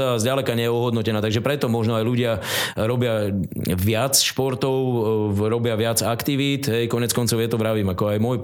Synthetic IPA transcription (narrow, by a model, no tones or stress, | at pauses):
azɟalɛkaɲɛjɛuɦɔd̪nɔcɛnaːt̪aɡʒɛpɾɛt̪ɔmɔʒnɔajluɟɪaɾɔbɪa | ʋɪat͡sʃpɔɾt̪ɔʊɾɔbɪaʋɪad͡zakt̪iʋiːt̪ɦɛjkɔɲɛt͡skɔnt͡sɔʊjɛt̪ɔʋɾaʋiːmakɔajmɔj